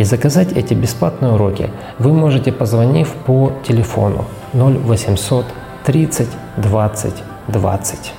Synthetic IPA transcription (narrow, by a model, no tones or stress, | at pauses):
izəkɐzatʲɛtʲɪbʲɪsplˠat̪nɨjəʊɾo̞kʲɪ̰ | vɨmo̞ʐɨtʲɪpəzvɐnʲifʲpotʲɪlʲɪfo̞̰nʊ̰ | nolʲvəsʲɪmso̞t̪ː | ɾʲit̪sɨtʲ | d̪vat̪sɨ̰tʲ | d̪va̰t̪sɨ̥tʲ